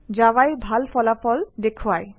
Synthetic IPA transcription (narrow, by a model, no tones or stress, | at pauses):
d͡ʑawajbʱalfɔlafɔld̪ekʰowaj